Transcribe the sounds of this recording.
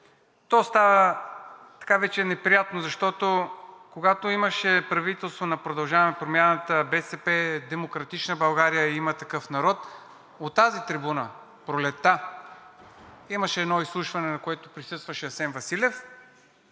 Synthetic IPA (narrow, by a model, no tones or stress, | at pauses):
t̪ɔst̪avə | t̪ɐ̥kavɛt͡ʃɛnɛpɾijat̪nozɐʃt̪ɔt̪okoɡat̪oiməʃɛpɾɐvit̪ɛlˠst̪vonɐpɾod̪ɐlˠʒavɐmɛpɾomjanət̪əbɛsɛpɛd̪ɛmokɾɐt̪it͡ʃnəbɐlˠɡaɾijəimət̪ɐkɤfnɐɾɔt̪ | ot̪ːazit̪ɾibunə | pɾolɛt̪ːa | iməʃɛːd̪nɔislˠuʃvɐnɛnɐkoɛt̪o̥pɾisɤst̪vɐʃɛɐsɛnvɐsilʲɛf